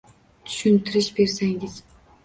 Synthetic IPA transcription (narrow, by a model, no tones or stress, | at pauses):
t̪ʰʊ̥ʃʊnt̪ʰɪɾɪʃbe̞ɾsaŋʲɪz̥